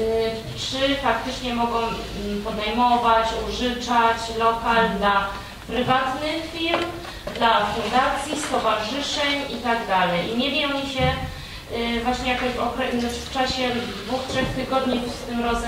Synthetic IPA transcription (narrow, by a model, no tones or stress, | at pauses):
tʂɘfak̚t̪ɘt͡ʂɲɛmɔɡɔ̃w̃ | pɔd̪ɛjmɔvat͡ɕuʐɘt͡ʂat͡ɕlɔkald̪la | pɾɘvat̪nɘxfʲiɾlm | d̪lafund̪at̪sʲjist̪ɔvaʐɘʂɛɲit̪aɡd̪alɛjimɛvʲjiɔɲiɕɛ | vwaɕɲɛjakɔɕvɔkɾɛnɔft͡ʂaɕɛd̪vuxtʂɛxt̪ɘɡɔd̪ɲipst̪ɘmɾɔz